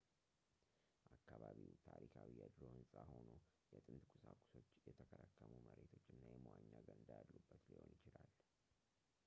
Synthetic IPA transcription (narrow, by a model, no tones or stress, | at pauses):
ʔakːaβaβiwt̪ʰaɾikʰawijad̪lohɨnsʼaho̞no | jɛt̪ʼɨnt̪kʰusakʷʼu̥so̞t͡ʃːjɛt̪ʰəkʰəɾəkːəmuməɾet̪ʰo̞t͡ʃːɨnːajɛməwaɲːaɡənɨnd̪ajalːubːət̪liho̞njɪt͡ʃɪlal